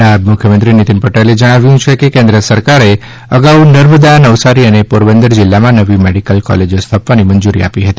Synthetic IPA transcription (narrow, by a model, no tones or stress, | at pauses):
amʊkʰjəmənt̪ɾinit̪inpəʈeled͡ʒəɽ̃aʋjũt͡ʃʰekekẽnd̪ɾəsəɾkaɾe | əɡaunəɾməd̪anəʋsaɾiənepoɾbənd̪əɾd͡ʒɪlːamãnəʋimeɽikəlkɔ̰led͡ʒost̪ʰəpʋanimənd͡ʒuɾḭa̰piɦət̪i